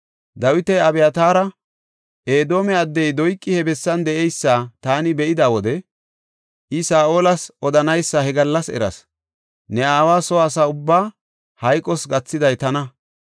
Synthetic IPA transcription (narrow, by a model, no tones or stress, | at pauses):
d̪ɐwɪt̪ɛjɐbɛjɐt̪aːɾɐ | ʔe̞ːd̪o̞ːmɛɐd̪ːɛjd̪ɔjkʼːɪhɛbɛsːɐnd̪ɛʔɛjsːaːt̪aːnɪbɛʔɪd̪awɔd̪ɛ | ʔɪsaːʔoːlɐsɔd̪ɐnɐjsːɐhɛɡɐlːɐsɛ̰ɾɐ̰s | nɛaːwaːsɔːsaːʊbːaː | hɐjkʼːɔsɡɐt͡sːɪd̪ɐjt̪ɐnɐ